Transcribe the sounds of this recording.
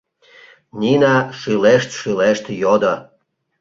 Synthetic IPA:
nʲinɑʃyleʃt̪ʃyleʃt̪jod̪ə

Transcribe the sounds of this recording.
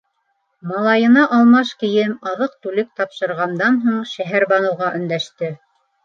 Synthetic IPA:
mɑlˠɑjɤ̆nɑʔɑlˠmɑʃkɘ̆jɘmɑðɤq̚t̪ʉlɘk̚t̪ɑpʃɤ̆ɾʁɑnd̪ɑnɦuɴʃæɦæɾbɑnɤ̆wʁɑʔɵ̆nd̪æʃt̪ɘ

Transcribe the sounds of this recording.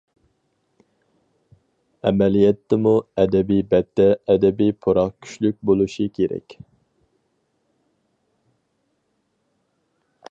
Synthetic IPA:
ɛmɛlijɛt̪ʰːɛmuɛd̪ɛbijbɛt̪ʰːɛːd̪ɛbipʰoɾɑχkʲʰy̥ʃlyk̚ʲbolˠuʃikʲʰeɾɛ̰kʲ

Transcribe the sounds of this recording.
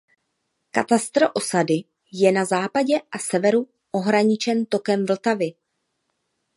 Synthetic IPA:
kat̪ast̪ɾoʔo̞sadɪ | jɛnazaːpaɟɛʔasɛvɛɾu | ʔo̞ɦɾaɲɪt͡ʃɛnt̪o̞kɛmvl̩t̪avɪ

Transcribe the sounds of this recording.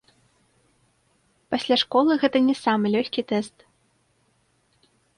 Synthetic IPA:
pɐsʲlʲaʂkɔlˠɨɣɛt̪ɐnʲɛsamɨlʲɔxʲkʲit̪ɛst̪

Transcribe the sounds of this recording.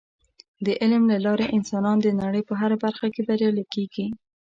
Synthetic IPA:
d̪əʔɪlmlalɑɾeʔɪnsɑnɑnd̪ənaɽəjpəɦaɾabaɾxakebaɾjɑlakeɡi

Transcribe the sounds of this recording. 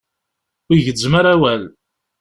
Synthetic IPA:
iʝəzməɾæwæl

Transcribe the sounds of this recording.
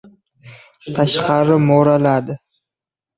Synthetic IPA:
t̪ʰaʃqʰɑɾɪmoɾalad̪ɪ

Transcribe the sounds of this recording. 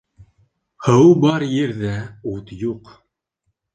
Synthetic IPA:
hɤwbɑɾjɘɾðæut̪juq

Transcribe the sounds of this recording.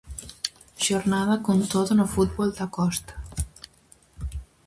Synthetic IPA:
ʒ̥oɾnaðakont̪ot̪onofut̪̚bɔlˠd̪akɔst̪ə̥

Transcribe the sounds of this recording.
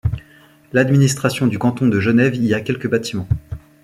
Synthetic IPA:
lad̪minist̪χasjɔ̃d̪ykɑ̃t̪ɔ̃d̪əʒənɛviakʲɛlkəbat̪imɑ̃

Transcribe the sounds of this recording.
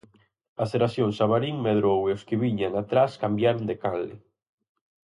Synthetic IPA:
aseɾaθjoŋsaβaɾiŋmeðɾoweoskɪβiɲaŋat̪ɾaskambjaɾond̪ekalɪ̰

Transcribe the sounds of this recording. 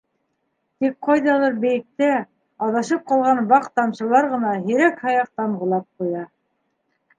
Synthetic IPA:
t̪ik̚qɑjðɑlˠɤɾbɘ̆jɘ̆k̚t̪æ | ɑðɑʃɤp̚qɑlˠʁɑnbɑqt̪ɑmʃɤ̆lˠɑɾʁɤ̆nɑɦĭɾækhɑjɑq̚t̪ɑmʁɤ̆lˠɑp̚qujɑ

